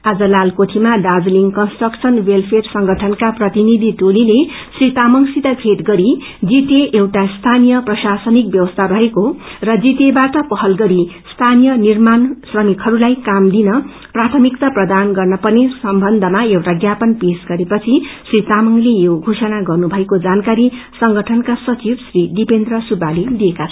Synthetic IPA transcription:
ad͡zʌlalkot̪ʰimaɖad͡zliŋkʌnsʈrʌksʰʌnwelpʰersʌŋɡʱʌʈʰʌnkaprʌt̪inid̪ʱiʈolile | srit̪amʌŋsit̪abʰʱeʈɡʌɾi | d͡zit̪eʔewʈast̪ʰanijʌprʌsasʌnik̚bjʌwʌst̪ʰaɾʌɦekorʌd͡zit̪ebaʈʌpʌɦʌlɡʌɾist̪ʰanijʌnirmansrʌmikɦʌɾulajkamd̪inʌ | prat̪ʰʌmik̚t̪ʌprʌd̪anɡʌrnʌpʌnesʌmbʱʌnd̪ʱʌmaewʈaɡjapʌnpesɡʌɾepʌt͡sʰisrit̪amʌŋlejoɡʱosʌnaɡʌrnubʱʌekod͡zankaɾisʌŋɡʌʈʰʌnkasʌt͡sibsrid̪ipend̪rʌsubalid̪ijekat͡sʰʌ

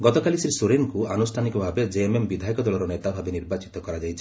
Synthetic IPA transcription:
ɡɔt̪ɔkalisɾisuɾenkuanusʈʰanikɔbʱabed͡ʒeemembid̪ʱaɦikɔd̪ɔlɔɾɔnet̪abʱabeniɾbat͡ʃit̪ɔkɔɾad͡ʒajt͡ʃʰi̥

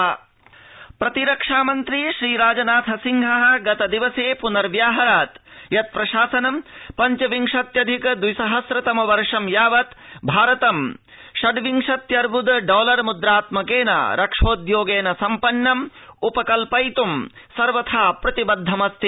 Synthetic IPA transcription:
pɾɐt̪iɾɐkʂaːmɐnt̪ɾiʃɾiːɾaːd͡ʒɐnaːt̪ʰɐsiŋɡʱɐɦɐ̆ɡɐt̪ɐd̪iʋɐseːpunɐɾʋjaːɦɐɾaːt̪jɐt̪̚pɾɐʃaːsɐnɐmpɐɲt͡ʃɐʋiŋʂɐt̪jɐd̪ʱikɐd̪wisɐɦɐsɾɐt̪ɐmɐʋɐɾʂɐmjaːʋɐt̪bʱaːɾɐt̪ɐm | ʃɐɖʋiŋʂɐt̪jɐɾbud̪ɖoːlɐɾmud̪ɾaːt̪mɐkeːna̰ɾʔɐkʂoːd̪joːɡeːnɐsɐmpɐnːɐmupɐkɐlpɐjt̪um | sɐɾʋɐt̪ʰaːpɾɐt̪ibɐd̪ʱːɐmɐst̪ʰi

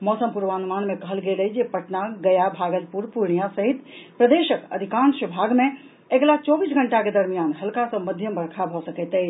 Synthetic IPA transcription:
mɔsəmpuɾʋãnmanmekəɦəlɡelɛd͡ʒepəʈnaɡəjabʱaɡəlpuɾpuɾɳijãsəɦit̪pɾəd̪eʃəkə̰d̪ʱikanʃibʱaɡmẽ | eɡlat͡ʃɔbisɡʱəɳʈaked̪əɾmijanɦəlkasə̃məd̪ʱjəmbəɽkʰabʱɔsəkɛt̪ɛ

